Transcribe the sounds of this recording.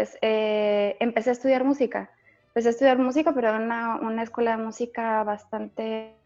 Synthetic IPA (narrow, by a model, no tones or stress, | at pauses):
peseempe̞se̞aest̪uð̞jaɾmusika̰ | empe̞se̞aest̪uðjaɾmusikape̞ɾoeunaunaeskwe̞laðe̞musikaβast̪ant̪e̞